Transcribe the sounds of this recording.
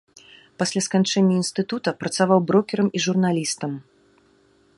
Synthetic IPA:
pasʲlʲaskant͡ʂɛnʲːɐinst̪ɨt̪ut̪ɐpɾɐt̪savawbɾɔkʲɛɾɐmiʐurnalʲist̪ɐm

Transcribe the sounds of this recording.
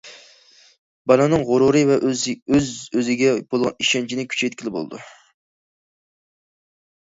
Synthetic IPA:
bɑnɑnɨŋʁʊɾuɾɨvɛøzøzɪɡʲɛbolˠʁɑ̰niʃɛnt͡ʃʰinɪkʲʰy̥t͡ʃʰɛjt̪̚ʲkʲilɪbo̰l̰ˠd̪ṵ

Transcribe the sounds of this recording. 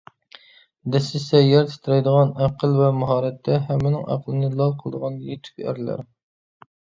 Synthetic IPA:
d̪ɛsɪsɛjæɾt̪ʰɪ̥t̪ʰɾɛjd̪əʁɑnæqʰəlˠvɛmʊɦɑːɾɛt̪ʰːɛɦɛmːɪnɪŋʔæ̰qʰlˠɨnɨlˠɑlˠqʰəlˠə̰d̪əʁɑnjet̪ʰy̥kʲæ̰ɾlæ̰ɾ

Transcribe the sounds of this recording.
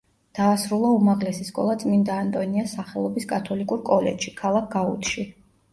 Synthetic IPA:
d̪̥aːsɾulˠaumaʁlɛsiskʼɔ̰lˠat̪sʼmind̪aːnt̪ʼɔniasaχɛlˠɔbiskʼat̪ʰɔlikʼuɾkʼɔlɛ̰d̪ʃi̥kʰalˠak̚ʰɡaṵt̪ʰʃi

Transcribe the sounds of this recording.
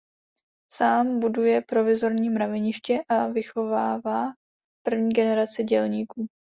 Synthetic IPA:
saːmbudujɛpɾo̞vɪzo̞ɾɲiːmɾavɛɲɪʃcɛʔavɪxo̞vaːvaː | pr̩vɲiːɡɛnɛɾat͡sɪɟɛlɲiːkuː

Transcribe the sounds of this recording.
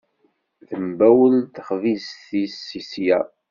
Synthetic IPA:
θəmbæwəlt̪əχvisθisːisjæ̰

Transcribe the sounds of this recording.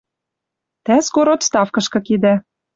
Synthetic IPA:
t̪æskoɾot̪st̪ɑfkɤ̆ʃkɤ̆kid̪æ

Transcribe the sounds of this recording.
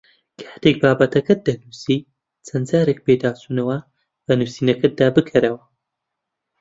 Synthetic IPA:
kʰɐ̥ht̪ek̚baːbɐt̪ʰɐkɐt̚d̪ɐnuːsi | t͡sʰɐnd͡zaːɾek̚beːd̪aːsuːnɐwɐ | bɐnuːsiːnɐkɐd̪aːbɨkʰɐɾɐwɐ

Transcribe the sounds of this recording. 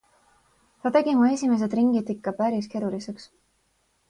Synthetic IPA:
t̪ɑt̪e̞ɡ̥imue̞sʲime̞s̬e̞d̪riŋɡid̪ikːɑpæɾiske̞ɾulise̞ks

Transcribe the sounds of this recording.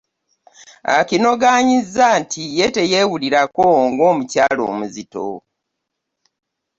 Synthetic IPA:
a̰kino̞ɡaːɲizːaːntʰijete̞je̞wuliɾakoŋɡo̞ːmucaːlo̰ːmuzito̰

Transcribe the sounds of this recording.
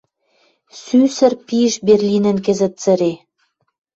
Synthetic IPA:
sysə̆rpiʃberlʲinə̆nk̬ɘ̆zə̆t̪̚t͡sə̆ɾe

